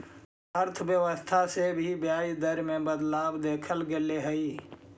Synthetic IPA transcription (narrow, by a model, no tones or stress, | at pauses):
əɾt̪ʰbjəʋəst̪ʰasebʱibjaːjd̪əɾmẽbəd̪laːbd̪eːkʰəlɡeleɦəi